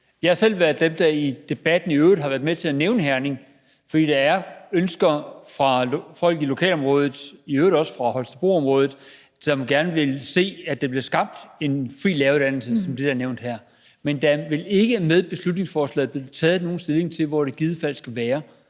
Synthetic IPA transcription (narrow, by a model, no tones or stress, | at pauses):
jɑhɑ̈sel̰ʋæɐðˠd̥emd̥ɑid̥e̝b̥æd̥n̩iøːʊd̥ˠɦɑ̈ʋæɐmet͡sʰe̝æneʊnəɦæɐne̝ŋ | fɒ̽d̥ḭːd̥ɑ̈æɐønsɡ̥ɐfʁɑ̈fɒ̽l̰ɡ̥ilo̝kʰɛ̰ːlɒ̽mʁɔ̽ːð̞̩ˠiøːʊdɒ̽sə̥fʁɑ̈hɒ̽lsd̥əb̥ʁo̝̰ːɒ̽mʁɔ̽ːð̞ˠð̩ˠ | d̥ɒmɡ̥æɐnəʋe̝lse̝̰ːæd̥eb̥liɐsɡ̥ɑ̈b̥̚d̥e̝nfʁḭːlːɛːɐʊd̥æn̰l̩səsɒ̽md̥e̝d̥æɐneʊnd̥hæɐ̰ | mend̥æʋe̝le̝ɡ̥əmeð̞ˠb̥e̝slud̥ne̝ŋsfɒːslɛ̰ːðˠb̥le̝t͡sʰɛ̰ːð̩ˠno̝ːn̩sd̥e̝lˠe̝ŋt͡sʰe̝lʋɒɾ̥eɡ̥iðˠəfæl̰sɡ̥æʋæːɐ